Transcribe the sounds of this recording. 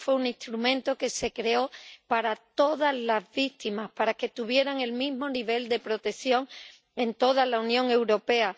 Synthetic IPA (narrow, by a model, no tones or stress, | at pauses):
fweuŋĩst̪ɾumẽ̞nt̪o̞ke̞se̞kɾe̞o̞paɾat̪o̞ðazlazβit̪imahpaɾake̞t̪uβje̞ɾaŋe̞lmiɦmo̞niβe̞ld̪e̞pɾo̞t̪e̞θjo̞ŋ | ẽ̞nt̪o̞ðalaunjõ̞ŋe̞wɾo̞pe̞a